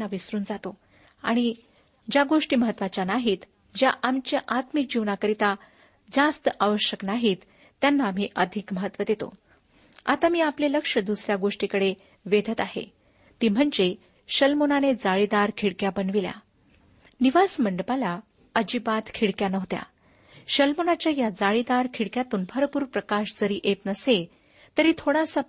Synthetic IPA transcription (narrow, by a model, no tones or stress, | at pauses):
aʋisɾuːnd͡zat̪o | a̰ɽ̃i | d͡ʑjaɡoʂʈiːməɦət̪ːʋat͡ɕanaɦiːt̪ | d͡ʑjaʔamt͡ɕjaʔat̪mik̚d͡ʑiʋnakəɾit̪a | d͡zast̪əaʋəɕəknaɦit̪ː | janːaːm̤iʔəd̪ʱikməɦət̪ːʋəd̪et̪o̰ | a̰t̪amiːapleləkʂəd̪usɾjaɡoʂʈikəɽe | ʋed̪ʱət̪aɦḛ | t̪iːm̤əɳd͡ze | ɕəlmonaned͡zaɭid̪aɾkʰiɽkjabənʋilja̰ | niʋasməɳɖəpala | əd͡ʑibat̪kʰiɽkjanəʋt̪ja̰ | ɕəlmonat͡ɕjajad͡zaɭid̪aɾkʰiɽkjat̪uːnbʱəɾpuːɾpɾəkaʂd͡zəɾiːʔet̪nəse | t̪əɾit̪ʰoɽasa